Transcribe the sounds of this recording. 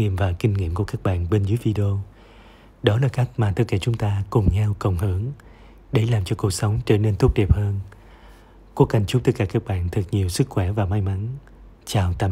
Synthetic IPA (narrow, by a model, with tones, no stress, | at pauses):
ḭ˧˨əmvaː˨˩kï˧ŋ̟ŋḭ˧˨əmku˧˩əkaː˦˥k̚ɓa̰ː˧˨nɓe˧nzɨː˨˦jvi˧ɗi˧o˧ | ɗɔ˨˦laː˨˩ka˦˥k̚maː˨˩t̪ɨ˦˥kaː˧˩t͡ɕʊ˨˦ŋ͡mt̪aː˧kʊ˨˩ŋ͡mɲa˧wkə˨˩wŋ͡mhɨ˧˦ŋ | ɗe˧˩laː˨˩mt͡ɕɔ˧ku˨˩ək̚sə˨˦wŋ͡mt͡ɕəː˧˩ne˧nt̪u˦˥k͡p̚ɗɛ˨˩p̚həː˧n | ku˧˦əkːa˨˩jŋ̟t͡ɕʊ˧˦˥t̪ɨ˦˥k̚aː˧˩kaː˦˥k̚ɓa̰ː˧˨nt̪ʰɨ˨˩t̚ɲi˨˩əwsɨ˦˥kxwɛ˧˩vaː˨˩ma˧jma˨˦n | t͡ɕaː˨˩wt̪aː˧˩